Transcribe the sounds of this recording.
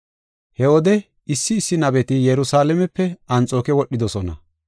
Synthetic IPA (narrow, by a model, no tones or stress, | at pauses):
hɛwɔd̪ɛ | ɪsːɪːsːɪnɐbɛt̪ɪjɛɾʊsaːlɛmɛpːɛɐnt͡sʼo̞ːkɛwɔɗːɪd̪ɔsɔnɐ̰